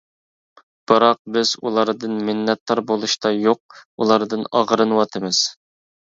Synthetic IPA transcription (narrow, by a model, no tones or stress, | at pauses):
b̥ɨɾɑq̚bɪz̥ulˠɑɾd̪ɨnmɪnːɛt̪ːɑɾbolˠuʃt̪ʰɑjoq̚ulˠɑɾd̪ɨnɑʁɾɨnɨwɑt̪ʰɨmɪz̥